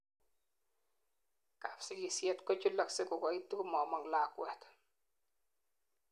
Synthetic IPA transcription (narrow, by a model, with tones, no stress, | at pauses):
ka˨fsɪ˦ki˨sjɛ˦tkɔ˦t͡ʃu˦lɔ˨ksɪ˦kʊ˨kɔ˨i˦tːi˦kʊ˦mɔ˨mɔ˦ŋlaː˨kwɛ˨t̪